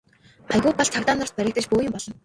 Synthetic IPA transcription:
χaɣʊːpɔɮt͡s̪ʰakt̪aːnʊ̆r̥t̪pæɾʲɪ̆k̚t̪ɘ̆t͡ɕpoːjĭmpɔɮɞ̆n

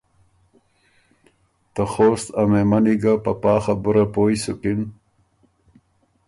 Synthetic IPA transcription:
t̪axoːst̪ɐmemaniɡapapɑːxabuɾapoːjsukin

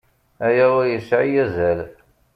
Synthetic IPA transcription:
æjæʊɾjəsʕijæzæl

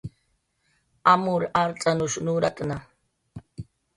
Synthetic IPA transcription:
amʊɾaɾt͡sʼanʊʃnuɾakʼna

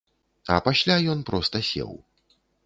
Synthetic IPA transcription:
ɐ̰pasʲlʲajɔnpɾɔst̪ɐsʲɛ̰w

